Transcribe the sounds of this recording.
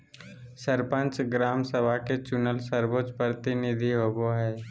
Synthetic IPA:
səɾpə̃nt͡ʃɡɾaːmsəbʱaket͡ʃʊnəlsəɾbot͡ʃpɾət̪ɪnɪd̪ʱiɦoːboɦɛː

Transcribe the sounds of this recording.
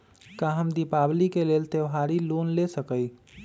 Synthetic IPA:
kãɦəmd̪ipaːblikeleːlt̪eɦaːɾiloːnlesəkəi

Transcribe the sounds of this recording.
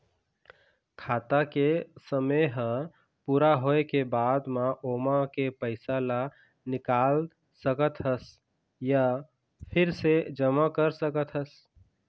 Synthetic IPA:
kʰaːt̪akesəməɦə̃ | puːɾaɦoekebaːd̪maʔomakepəɪsala | nɪkaːl | səkət̪ɦəs | ja | pʰɪɾsed͡ʒəmakəɾsəkət̪ɦəs

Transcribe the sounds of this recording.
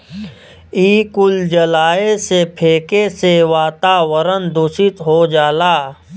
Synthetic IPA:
iːkʊld͡ʒəlaːesepʰeːkeseʋaːt̪aːʋəɾənd̪ʊsɪt̪ɦod͡ʒaːlaː

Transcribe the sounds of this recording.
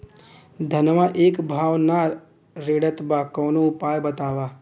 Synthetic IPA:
d̪ʱɐnʋaʔeːkbʱaːʋna | ɾeːɽət̪baːkɔːnoʊpaːjbɐt̪aːʋaː

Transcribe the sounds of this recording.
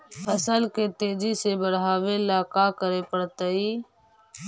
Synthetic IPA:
əsəlket̪eːd͡ʒisebəɽɦaːʋelaːkaːkəɾeːpəɽt̪əiː

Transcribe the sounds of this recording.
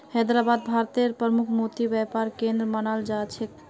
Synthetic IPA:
hɛd̪ɾabad̪̚bʱaɾt̪eɾpɾəmukʰmot̪ibɛpaɾkẽnd̪ɾəmənald͡ʒat͡ʃʰek

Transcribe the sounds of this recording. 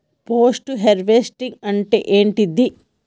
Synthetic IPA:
poːsʈuɦeɾʋesʈiŋɡɐɳʈḛːʔeːɳʈid̪i

